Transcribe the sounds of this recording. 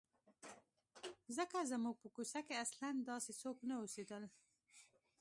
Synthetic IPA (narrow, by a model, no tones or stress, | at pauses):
zəkazəmuɡ̚pəkusakeasland̪ɑsesoknaosed̪əl